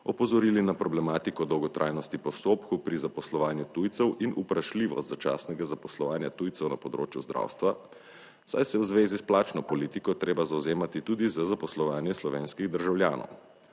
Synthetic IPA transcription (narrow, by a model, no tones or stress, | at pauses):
ɔpɔzɔɾilinapɾɔblɛmaːt̪ikɔd̪ɔwɡɔt̪ɾʔa̰ːjnɔst̪ipɔst̪oːpkupɾizapɔslɔʋaːnjut̪ujt̪sɛwʔinupɾaʃliʋɔ̰st̪zat͡ʃa̰ːsnɛɡazapɔslɔʋaːnjat̪ujt̪ɛwnapɔd̪ɾo̰ːt͡ʃjuzd̪ɾʔa̰ːwst̪ʋa | sa̰jsɛwzʋeːzisplaːt͡ʃnɔpɔliːt̪ikɔt̪ɾeːbazawzeːmat̪it̪ud̪izəzapɔslɔʋaːnjɛslɔʋeːnskiɣd̪əɾʒawljaːnʔɔ̰w